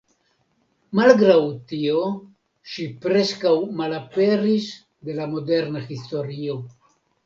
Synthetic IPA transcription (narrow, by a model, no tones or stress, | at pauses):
malɡɾawtio | ʃipɾe̞skawmalape̞ɾis | d̪e̞lamo̞de̞ɾnaxisto̞ɾio̞